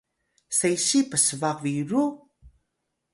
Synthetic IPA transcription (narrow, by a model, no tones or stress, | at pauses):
sejɕipəsəvaviɾu